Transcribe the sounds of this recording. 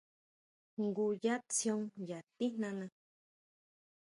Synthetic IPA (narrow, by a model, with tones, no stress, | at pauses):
ŋɡu˨ja˦t͡sjo˦ŋja˨t̪i˦nã˧nã